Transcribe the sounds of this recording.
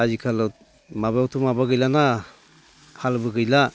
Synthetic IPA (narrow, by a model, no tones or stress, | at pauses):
azikʰalɯ | mabawtʰumabaɡɯjlana | kʰalbɯɡɯjla